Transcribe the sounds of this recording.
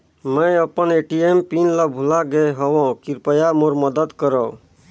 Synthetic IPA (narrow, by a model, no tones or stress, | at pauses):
məjəpəneʈiempinləbʱulaɡeɦəwɔ̃kiɾpəjamoɾməd̪əd̪kəɾɔ